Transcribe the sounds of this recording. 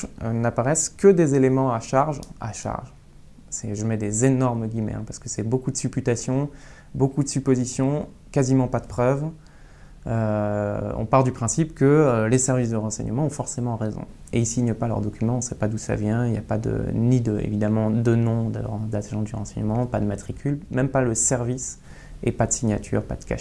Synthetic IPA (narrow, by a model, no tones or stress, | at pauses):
ønapaʁɛskəd̪ezelemɑ̃aʃaʁʒa̰ʃa̰ʁʒ | sɛʒəmɛd̪ezenɔʁməɡʲimɛ̰ɛ̰̃paʁsə̥kəsɛbokud̪əsypyt̪asjɔ̃ | bokud̪əsypozisjɔ̃ | kazimɑ̃pad̪əpχœv | ø | ɔ̰̃paʁld̪ypχɛ̃sipkəølesɛʁvis̬d̪əʁɑ̃sɛ̰ɲəmɑ̃ɔ̃fɔʁsemɑ̃ʁezɔ̰̃eilsiɲəpalœ̰ʁd̪ɔkʲymɑ̃ɔ̃sɛpad̪usa̰vjɛ̃ilja̰pad̪ə̰nid̪əḛvid̪amɑ̃d̪ənɔ̃d̪əʁ̃d̪aʒɑ̃d̪yʁɑ̃sɛɲəmɑ̃pad̪əmat̪χikʲylmɛmpaləsɛʁvis | epad̪əsiɲat̪ʰy̰ʁpa̰d̪əka̰ʃ